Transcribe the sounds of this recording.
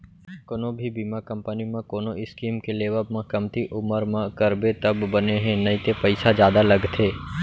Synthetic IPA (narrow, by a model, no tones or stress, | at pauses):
kʊnõbʱibiːmakɐ̃mpənimãkoːnoʔɪskiːmkeleːʋəbmãkɐmt̪iʔʊməɾmãkəɾbet̪ɐbːəneɦẽnɐĩt̪epəɪsazjaːd̪alɐɡt̪ʰeː